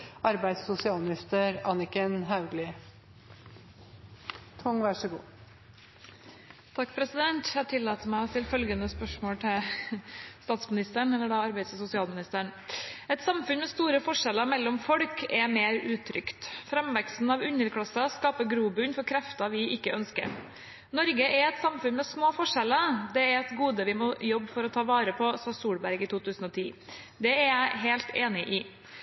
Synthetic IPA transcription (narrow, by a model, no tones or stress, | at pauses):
ʔɑɾbæɪd̪ssʊsɪɑːlmɪnɪst̪əɾɑnɪkənɦaʉɡlɪ | t̪ʰʊŋʋæʂəɡṵː | t̪ʰɑkːpʰɾɛsɪd̪ɛnt̪æt̪ʰɪlːɑːt̪əmæɪt̪ʰɪlfœlɡənəspœʂmoːlt̪ʰɪl | st̪ɑːt̪smɪnɪst̪əɳɛlːəɖɑːɑɾbæɪssʊsɪɑːlmɪnɪst̪æːɳɛt̪sɑmfʉnmɛst̪uːɾəfɔʂɛləmɛlːɔmfɔɽkʰɛmeːɾʉːt̪ʰɾʏkt̪fɾɛmʋɛkst̪n̩ɑʋʉnəɾkʰɽɑsɑskɑːpəɡɾuːbʉnfɔɾkʰɾɛft̪ɑʋɪʔɪkːəœnskə̰ɾ | nɔɾɡəʔɛɾɛt̪sɑmfʉnmɛsmoːfɔʂɛləd̪ɛɛɾɛt̪ɡuːd̪əʋɪmɔjɔbːfɔɾɔt̪ʰɑːʋɑːɾəpʰɔsɑsuːɽbæɾɡɪt̪ʰuːt̪ʰʉːsn̩ɔt̪ʰiː | d̪ɛæɾjæɪɦeːlt̪ʰeːnɪʔɪ